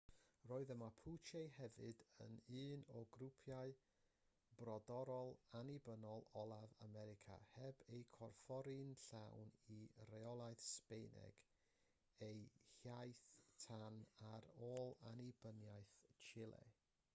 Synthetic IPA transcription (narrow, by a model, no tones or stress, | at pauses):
roːɨðəmapʰut͡ʃejhɛvɨdə̰nɨːnɔɡɾupʰjaɨ | brɔdɔɾɔlˠanibənɔlˠɔlˠavamɛɾɪkʰa̰hɛbejkʰɔrfɔɾinɬawnirɛɔlˠajθspejnɛ̰ɡ̥ | ejhjajθtʰanaɾoːlˠanibənjajθt͡ʃʰɪlˠɛ̰